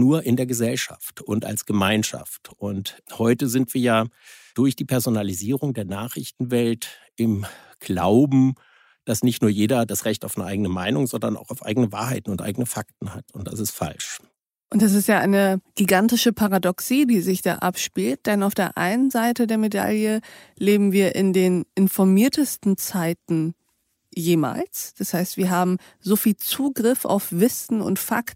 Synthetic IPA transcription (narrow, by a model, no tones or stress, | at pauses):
nuːɐʔɪndeːɐɡəzɛlʃa̰ftʊnta̰lsɡ̥əmaɪnʃa̰ftʔʊnthɔʏtəzɪntv̥iːɐjaː | d̥ʊɐçd̥iːpʰɛɐzonaliziːʁʊŋdeːɐnaːχʁ̥ɪçtn̩vɛlt | ɪm | ɡ̥la̰ʊbm̩ | d̥asnɪçtnuːɐjeːdɐdasʁɛçtaʊfnəʔaɪɡənəmaɪnʊŋzɔndɐna̰ʊxaʊfʔa̰ɪɡənəva̰ːɐɦaɪtn̩ʊntʔaɪɡənəfak̚tn̩ha̰tʊntd̥a̰sɪstfa̰lʃ | ʔʊntd̥as̬ɪstjaːʔaɪnəɡ̥iɡantɪʃəpʰaʁadɔksiːdiːzɪçd̥a̰ːʔa̰pʃpiːlt̚d̥ɛnaʊfd̥eːɐʔa̰ɪnənzaɪtədeːɐmeda̰ljə | leːbm̩viːɐʔɪndeːnʔɪnfɔɐmiːɐtəstn̩t͡saɪtn̩ | jeːma̰ːlsd̥ashaɪstv̥iːɐɦaːbm̩ | zoːfiːlt͡suːɡʁɪfa̰ʊfv̥ɪsn̩ʊ̰ntfa̰kt̩